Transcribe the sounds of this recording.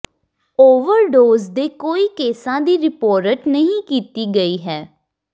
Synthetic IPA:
oːʋəɾɖoːzd̪eːkoːiːkeːsãːd̪iːɾɪpoːɾəʈnəɦĩkiːt̪iːɡəiːɦɛː

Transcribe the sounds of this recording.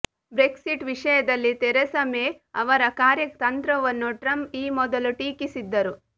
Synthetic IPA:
bɾeksiʈʋiʂɐjɐd̪ɐlːit̪ɛɾesɐme | ɐʋɐɾɐkaːɾjɐkt̪ɐnt̪ɾɐʋɐnːuʈɾɐmiːmɔd̪ɐluʈiːkisid̪ːɐɾu

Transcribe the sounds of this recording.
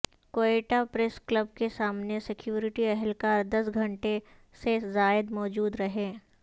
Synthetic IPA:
koːeːʈapɾɛsklɐbkesaːmnesɪkjuːɾɪʈiɛɦɛlkaːɾd̪ɐsɡʱɐ̃ɳʈesezaːɪd̪mɔːd͡ʒuːd̪ɾɐɦẽː

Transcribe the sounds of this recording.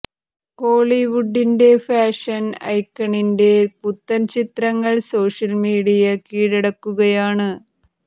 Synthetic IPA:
koːɭiʋuɖːinde̞faːʂɐnɐ̰jkːɐɳinde̞put̪ːɐnt͡ɕit̪rɐŋːɐɭso̞ːʂɐlmiːɽijɐkiːɽiɽɐkːuɣɐjaːɳɨ

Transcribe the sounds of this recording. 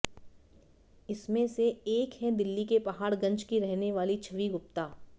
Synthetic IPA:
ɪsmẽseeːkɦɛ̃d̪ɪlːikepɐɦaːɾɡɐ̃ɲt͡ʃkiɾɛɦneʋaːlit͡ʃʰɐʋiɡʊp̚t̪aː

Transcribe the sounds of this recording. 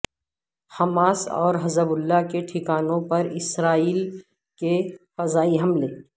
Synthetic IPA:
hɐmaːsɔ̰ːɾɦɐzəbʊlːakeʈʰɪkaːnõpɐɾɪsɾaːiːl | kefɐzaːiɦɐmleː

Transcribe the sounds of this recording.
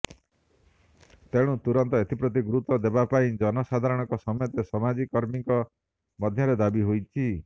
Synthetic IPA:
t̪eɽ̃ũt̪uɾɔnt̪ɔet̪ipɾɔt̪̬iɡuɾut̪ɔd̪ebapaĩd͡ʒɔnɔsad̪ʱaɾɔɽ̃ɔkɔsɔmɔjɔt̪esɔmad͡ʒikːɔɾmiŋkɔ | mɔd̪ʱjɔɾed̪abiɦojt͡ʃʰi

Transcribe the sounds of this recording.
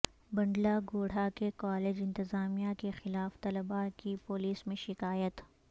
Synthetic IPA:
bɐ̃ɳɖlaɡoːɽ̤akekaːleːd͡ʒɪ̃nt̪ɪzaːmijakexɪlaːft̪ɐləbakipoliːsmẽʃɪkaːjət̪

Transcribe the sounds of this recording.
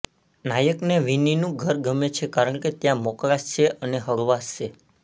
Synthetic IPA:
najəkneʋininũɡʱəɾɡəmet͡ʃʰekaɾəɳket̪jãmɔklaʃt͡ʃʰeəneɦəɾʋasʃe

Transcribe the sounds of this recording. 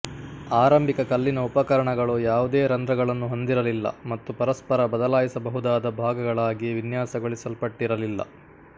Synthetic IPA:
aːɾɐmbʱikɐkɐlːinɐupɐkɐɾɐɳɐɡɐɭujaːʋud̪eːɾɐnd̪ɾɐɡɐɭɐnːuɦo̞nd̪iɾɐlilːɐ̰mɐt̪ːupɐɾɐspɐɾɐbɐd̪ɐlaːjisɐbɐɦud̪aːd̪ɐbʱaːɡɐɡɐɭaːɡiʋinjaːsɐɡoɭisɐlpɐʈːiɾɐlilːɐ̰

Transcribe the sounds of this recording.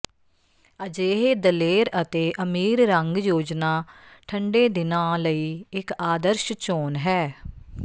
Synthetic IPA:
əd͡ʒeːɦeːd̪əleːɾət̪eːʔəmiːɾɾəŋɡjoːd͡ʒnaːʈʰəɳɖeːd̪ɪnãːləiːɪkaːd̪əɾʃt͡ʃoːnɦɛː

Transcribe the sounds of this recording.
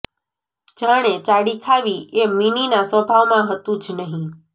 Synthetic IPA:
d͡ʒaɽ̃et͡ʃaɽikʰaʋiʔemininasəbʱaʋmãɦət̪ũd͡ʒnəɦĩ

